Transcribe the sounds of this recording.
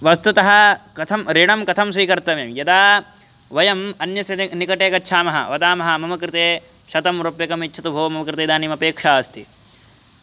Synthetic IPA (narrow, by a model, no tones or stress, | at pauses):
ʋɐst̪ut̪ɐɦɐ̆kɐt̪ʰɐmɾeːɳɐmkɐt̪ʰɐmsʋiːkɐɾt̪ɐmeːmjɐd̪aː | ʋɐjɐmɐnjɐsɐnikɐʈeːkɐtːʃʰaːmɐɦɐ̰ʋɐd̪aːmɐɦɐ̆mɐmɐkɾɪt̪eː | ʃɐt̪ɐmɾoːpjɐkɐmitːt͡ʃʰɐt̪ubʱoːʋɐmɐmɐkɾɪt̪eːd̪aːniːmɐpeːkʂaːst̪i